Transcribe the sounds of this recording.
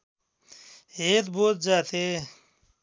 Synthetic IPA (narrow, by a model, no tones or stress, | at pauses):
eːt̪boːt̪̚d͡ʒaːt̪eː